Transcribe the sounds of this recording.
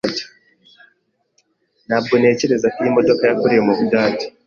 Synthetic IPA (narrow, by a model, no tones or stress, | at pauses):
tḁ | naːb̚ɡone̞ːceɾezakiimodokajakuɾijomokudaːti̥